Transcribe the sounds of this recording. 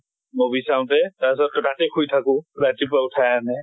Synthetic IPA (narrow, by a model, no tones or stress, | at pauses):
mobisaw̃tɛtas̬ɔt̚kɔtatekʰujtʰakʊ̃ɹatip̬aʊtʰajanɛ